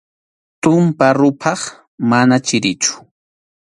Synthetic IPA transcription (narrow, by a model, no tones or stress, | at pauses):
t̪ʊmpaɾʊpʰɑχ | manat͡ʃɪɾɪt͡ʃʊ̥